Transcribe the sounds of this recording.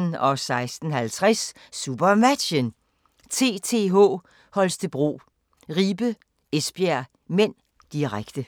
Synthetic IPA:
nɒ̽sɑ̈ɪsd̥n̩ɦælt͡sʰʁasː | ub̥ɐmæ̥ən | t͡sʰe̝̰ːt͡sʰe̝̰ːɦɔ̰ː | hɒ̽lsd̥əb̥ʁo̝̰ː | ʁiːb̥ə | esb̥jæɐ | men̰ | d̥iʁaɡ̥d̥ə

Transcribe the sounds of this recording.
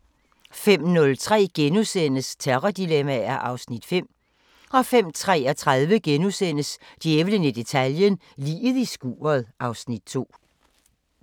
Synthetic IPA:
fem̰nɔ̽lt͡sʰʁɛ̰ːɡ̥enusen̰əst͡sʰeʁɐd̥ilemææɐʔɑ̈ʊsnid̥fem̰ | ɒ̽fem̰t͡sʰʁɛ̰ːɒt͡sʰʁaðˠʋəɡ̥enusen̰əsd̥jeʋlənəd̥e̝t͡sʰæljən | liːðˠisɡ̥ṵːɐðˠʔɑ̈ʊsnid̥̚t͡sʰo̝̰ː

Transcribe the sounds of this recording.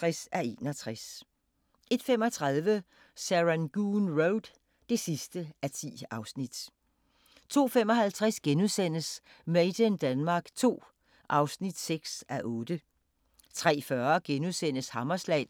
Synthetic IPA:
asæe̝̰ːnɒ̽t͡sʰʁas | e̝d̥fem̰ɒ̽t͡sʰʁɑ̈ðˠʋə | sæʁænɡ̥uːnʁoʊd̥ | d̥e̝sisd̥əæt͡sʰḭːɑ̈ʊsnid̥ | t͡sʰo̝̰ːfem̰ɒ̽hælt͡sʰʁasɡ̥enuðˠsen̰əs | meɪd̥ənd̥ænmɑ̈ːɡ̥t͡sʰo̝̰ː | ʔɑ̈ʊsnid̥seɡ̥sæʔɔ̽ːd̥ə | t͡sʰʁɛ̰ːfɶɐɡ̥enuðˠsen̰əshɑ̈mɐslɛ̰ɪ

